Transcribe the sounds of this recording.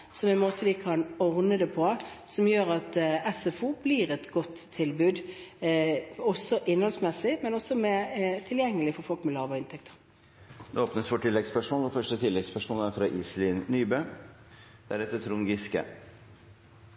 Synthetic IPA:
sɔmɛɪnmoːt̪ʰəʋɪkʰɑnɔʁnəd̪ɛpʰɔsɔmjøːɾɑt̪ɛsɛfuːbliːɾɛt̪ɡɔt̪ʰːɪlbʉːd̪ | ɔsɔʔɪnːhɔlsmɛsːɪmɛnɔsɔmɛt̪ʰɪljɛŋːəlɪfɔɾfɔlkmɛlɑːʋəɪnt̪ʰɛkt̪ʰə̥ʁ | noːoːpnəsfɔʈʰɪlːɛɡspœʂmoːlɛfœʂʈət̪ʰɪlːɛɡspœʂmoːlæɾfɾɑʔiːslɪnnyːbø | d̪̥æɾɛt̪ːət̪ʰɾuːnɡɪskə̰

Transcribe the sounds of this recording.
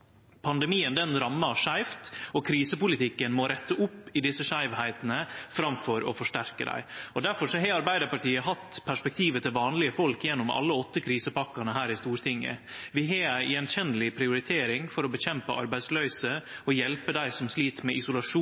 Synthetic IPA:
pʰɑnd̪ɛmiːənd̪ɛnɾɑmːɑʂæɪft̪ɔkʰɾiːsəpʊlɪt̪ʰɪkːənmoːɾɛt̪ːəʔʊpːɪd̪ɪsːəʂæɪʋhæɪt̪nəfɾɑmfɔɾɔ̰fɔʂʈæɾkəd̪æ̰ɪɔd̪æɾfɔʂɔɦɛɑɾbæɪd̪əɾpɑʈʰiːəɦɑt̪ːpʰæʂpɛk̚t̪ʰiːʋət̪ʰɪlʋɑːnlɪəfɔlkjɛnːʊmɑ̰lːəɔt̪ːəkʰɾiːsəpɑkːɑnəɦæːɾɪst̪uːɾt̪ʰɪŋːə̰ʋɪɦeæʔɪɛnçɛnlɪpʰɾɪʊɾɪt̪ʰeːɾɪŋfɔɾɔbəçɛmpəʔɑ̰ɾbæɪd̪slœʏsəɔjɛlpəd̪æɪsɔmsliːt̪mɛʔɪsʊlɑʂuː

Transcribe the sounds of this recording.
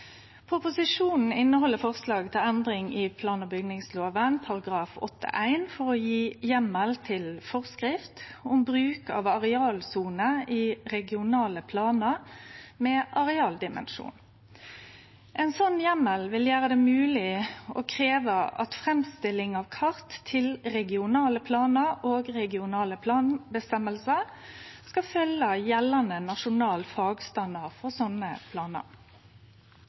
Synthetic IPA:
pʰʁʊpʊsɪʂuːnn̩ɪnːəɦɔlːəfɔʁslɑːɡt̪ʰɪlænd̪ʁɪŋɪpʰlɑːnəbʏɡnɪŋsloːʋənpʰɑʁɑɡʁɑːfɔ̰t̪ʰːə̰ʔæɪnfɔʁɔjiːjɛmːəlt̪ʰɪlfɔʁskʁɪft̪ʊmbʁʉːkɑ̰ːʋɑʁɛɑːlsuːnəiʁɛɡɪʊnɑːləpʰlɑːnəʁmɛːʔɑʁɛɑːld̪ɪmə̰nʂṵːn | ʔɛnsɔnːjɛməlʋɪljæːʁəd̪ɛːmʉːlɪʔo̰ːkʰʁeːʋəʔɑ̰t̪fʁɛmst̪ɪlɪŋɑʋkʰɑʁt̪ʰːɪlʁɛɡɪʊnɑːləpʰlɑːnəʁoːɡʁɛɡɪʊnɑːləpʰlɑːnbəst̪ɛməlsəʁskɑfœləjɛlɑnənɑʃʊnɑːlfɑːɡst̪ɑnd̪ɑʁfɔʁsɔnəpʰlɑːnə̰ʁ

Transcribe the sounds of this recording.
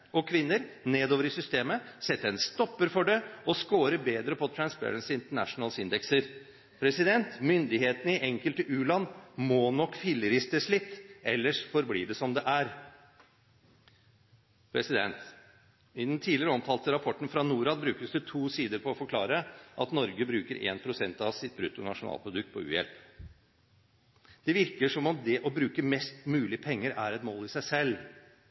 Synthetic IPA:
ɔkʰʋɪnːəɾneːd̪oːʋəɾɪsʏst̪eːməsɛt̪ːəɛnst̪ɔpːəɾfɔɖɛɔskoːɾəbeːd̪ɾəpʰɔt̪ʰɾɑnspʰæ̰ɾənsɪɪnt̪əɳæ̰ʂnəlsɪnd̪ɛksəɾ | pʰɾɛsɪd̪ɛnt̪mʏnd̪ɪheːt̪ənəɪʔɛŋkəlt̪əʔʉːlɑnːmɔnɔkːfɪlːəɾɪst̪əʂɭɪt̪ːɛ̰lːəʂfɔɾblḭːɖ̪ɛsɔmd̪ɛʔæɾ | pʰɾɛsɪd̪ɛnt̪ | ɪnɛnt̪ʰiːd̪lɪəɾəɔmt̪ʰɑːlt̪əɾɑpʰɔʈːn̩fɾɑnuːɾɑːd̪̚bɾʉːkəsd̪ət̪ʰuːsiːd̪əɾpʰɔɔfɔɾkʰlɑːɾəʔɑt̪nɔɾɡəbɾʉːkəɾʔḛːnpʰɾʊsɛnt̪ɑʋsɪt̪̚bɾʉt̪ːʊnɑ̰ʂʊnɑ̰ːlpʰɾʊd̪ʉk̚t̪̚pʰɔʉ̰ːjɛ̰lp | d̪̥ɛʋɪɾkəʂɔmɔmd̪ɛʔɔbɾʉːkəmɛst̪mʉːlɪpʰɛŋːəɾæɾɛt̪moːlɪsæɪsɛlː

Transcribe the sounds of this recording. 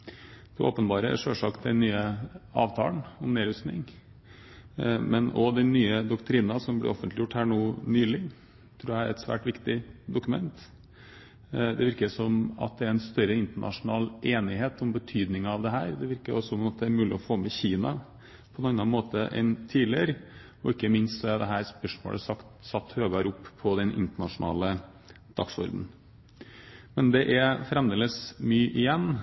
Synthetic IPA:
d̪̥ɛʔo̰ːpənbɑːɾə̰ʂøːʂɑkt̪ɛnnːyːəɑ̰ːʋt̪ʰɑ̰ːlnɔmneːɾʉsnɪ̰ŋ | mɛnɔd̪ɛnːyːəd̪ʊkt̪ʰɾiːnɑsɔmblɪ̰ʔɔfənt̪lɪjʊʈhæːɳuːnyːlɪŋ | t̪ʰːɾʉːjææɾɛt̪sʋæ̰ːʈʋɪkt̪ɪd̪ʊkʉmɛ̰nt̪ | d̪ɛʋɪɾkəsɔmɑ̰t̪̚d̪ɛæɾɛnst̪œɾəɪnt̪əɳʔɑ̰ʂʊnɑːlʔeːnɪɦeːt̪ɔmbət̪ʰyːd̪nɪŋɑʋd̪ɛɦæːɾd̪ɛʋɪɾkəɾɔsːɔmmɑt̪̚d̪ɛæɾmʉːlɪɔfoːmɛçiːnɑ | pʰɔnɑnːɑnmoːt̪əʔɛ̰nt̪ʰiːd̪lɪəɾə | ɔɪkːəmɪnst̪sɔɛd̪ɛɦæːɾspœʂmo̰ːɭʔə̰sɑkt̪sɑt̪ːhøːʋɑɾʊpːpʰːɔd̪ɛnʔɪ̰nt̪əɳɑʂʊnɑ̰ːlə | d̪̥ɑksɔ̰ɾd̪n̩ | mɛnd̪ɛʔæfɾɛmd̪eːləsmyːʔɪjɛnː

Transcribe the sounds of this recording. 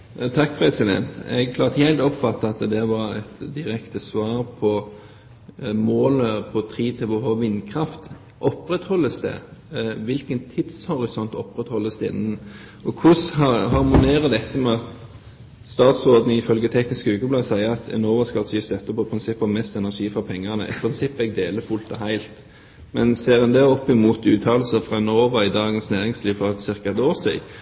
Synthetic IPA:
t̪ʰɑk̚pʰɾɛsɪd̪ɛ̰nt̪ɛ̰ɡkʰlɑːʁt̪əhɛɪlt̪ɔpfɑt̪ːəɑt̪d̪ɛʋɑɾɛt̪d̪ɪɾɛkt̪əsʋɑːɾpʰɔ | moːləpʰɔt̪ʰɾiːt̪ʰɪlʋɔhoʋɪnːkʰɾɑft̪ | ʔɔpɾɛt̪hɔlːəsd̪ɛ̰ʋɪlkənt̪ʰɪd̪shɔɾɪsɔnt̪ɔpɾɛt̪hɔlːəsd̪ɛɪ̰nːən | ʔɔkʰʊshɑhɑʁmʊneːʁəd̪ɛt̪ːəmɛɑt̪ | st̪ɑːt̪sʁoːd̪nəɪfœlɡət̪ʰɛknɪskəʉːɡəblɑːsæɪəɑt̪ʰɛ̰noːʋɑskɑlsist̪œt̪ːəpɔɪpʰɾɪnsɪpːɑʋmɛst̪ɛnæʁʂiːfɾɑpʰɛŋːɑnə̰ʔɪ̰pʰɾɪnsɪpːɛɡ̚d̪eːləfʊlt̪ɑhæɪlt̪ | mɛnseːʁɛnd̪ɛːɔpːɪmuːt̪ʉːt̪ʰɑːlsəfʁɑɛnoːʋɑɪd̪ɑːɡənsnæːʁɪŋsliːʋfɔʁɛt̪sɪʁkaɛt̪oːɾsḭːɡ

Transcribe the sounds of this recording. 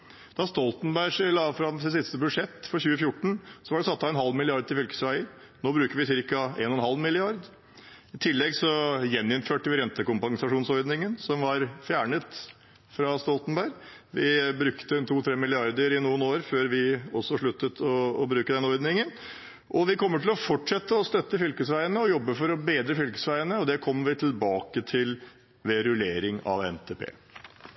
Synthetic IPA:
d̪̥ɑst̪ɔlt̪nbæɪʂlɑːfɾɑmsɪsɪst̪əbʉd̪ʂɛt̪ːfɔɾçʉːəfjʊʈːɳ̩sɔʋɑɖɛsɑt̪ːɑɛnhɑlːmɪlɪɑɾd̪t̪ʰɪfʏlkə̥sʋæɪə | noːbɾʉːkəɾʋɪsɪɾkɑḛːnɔnɦɑlmɪlɪɑɾd̪ | ɪt̪ʰɪlːɛɡsɔjɛnːɪnføːʈəʋɪɾɛnt̪əkʊmpɑŋsɑʂuːnsɔɾd̪nɪŋənsɔmʋɑɾfjæːɳət̪ | fɾɑst̪ɔlt̪nbæɪɾʋɪbɾʉkt̪ənt̪ʰuːt̪ʰɾeːmɪlɪɑɾd̪əɾɪnuːənoːɾføːɾʋɪɔsːɔʂɭʉt̪ːət̪ʰɔːbɾʉːkəd̪ɛnɔɾd̪nɪŋən | ʔɔʋɪkʰɔmːəʈɪlɔfɔʈʂɛt̪ːəɔst̪œt̪ːəfʏlkəsʋæɪənəɔjɔbːəfɔɾɔbeːd̪ɾəfʏlkə̥sʋæɪənəɔd̪ɛkʰɔmːʋɪt̪ʰɪlbɑːkət̪ʰɪl | ʋeɾʉleːɾɪŋɑ̰ʋɛ̰nt̪ʰeːpʰḛː

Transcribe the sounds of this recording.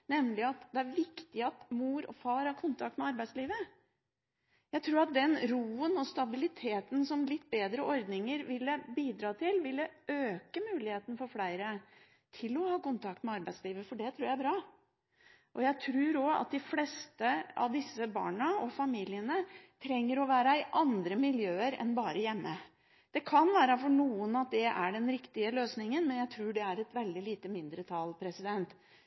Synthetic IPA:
nɛmlɪɑt̪d̪ɛæɾʋɪkt̪ɪɑt̪muːɾɔ̰fɑːɾhɑɾkʰʊnt̪ʰɑk̚t̪mɛɑɾbæɪsliːʋə | jæɪt̪ʰɾuːɾɑt̪̚d̪ɛnɾuːənɔst̪ɑbɪlɪt̪ʰeːt̪n̩sɔmlɪt̪ːbeːd̪ɾəʔɔɾd̪nɪŋəɾʋɪlːəbiːd̪ɾɑːt̪ʰɪlʋɪlːəøːkəmʉːlɪheːt̪ənfɔɾflæɪɾə | t̪ʰɪlɔhɑːkʊnt̪ʰɑk̚t̪mɛɑɾbæɪsliːʋəfɔɖɛt̪ʰɾʉːɾjæbɾɑː | ʔɔjæɪt̪ʰɾʉːɾɔɑ̰t̪̚d̪ɪflɛst̪əɑ̰ʋd̪ɪsːəbɑ̰ːɳəɔfɑmiːlɪənət̪ʰɾɛŋːəɾɔʋæːɾɑɪʔɑnd̪ɾəmɪljøːəɾɛ̰nbɑːɾəjɛmːə | d̪̥ɛkʰɑnʋæːɾəfɔɳuːənɑt̪̚d̪ɛʔæɖɛnɾɪkt̪ɪəløːsnɪŋənmɛnjæɪt̪ʰɾuːɖɛæɾɛt̪ʋɛld̪ɪliːt̪əmɪnd̪ɾət̪ʰɑlpʰɾɛsɪd̪ɛnt̪

